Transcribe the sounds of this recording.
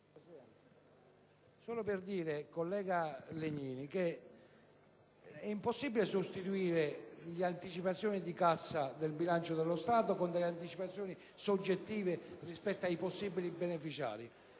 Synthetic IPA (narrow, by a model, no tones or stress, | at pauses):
sɔːloperd̪iːɾekolːɛːɡaleɲːiːnike | ɛimposːibilesost̪it̪uiːɾeʎiant̪it͡ʃipat̪sːjɔːnid̪ikasːad̪elbilant͡ʃod̪elːost̪aːt̪̬okond̪elːeant̪it͡ʃipat̪sːjɔːni | sod͡ʒːet̪ːiːverispɛt̪ːoajposːiːbilibenefit͡ʃa̰ːɾi